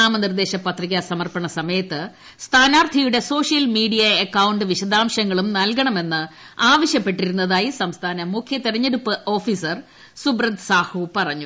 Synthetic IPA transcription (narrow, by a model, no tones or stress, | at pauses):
aːmɐnird̪e̞ːɕɐpɐt̪riɣʲɐsɐmɐrpɐɳɐsɐmɐjɐt̪ːɨ | st̪ʰaːnaːrt̪ʰɐjuɽe̞so̞ːʂjɐlmiːɽijɐekːɐwuɳɖɨʋiɕɐd̪aːmɕɐŋːɐɭumnɐlkɐɳɐme̞nːɨ | aːʋɐɕjɐpːe̞ʈːiɾunːɐðaːjisɐmst̪ʰaːnɐmukʰjɐt̪iɾɐɲːɐɾupːɨʔo̞ːfiːsɐr | subrɐd̪saːhupɐrɐɲːu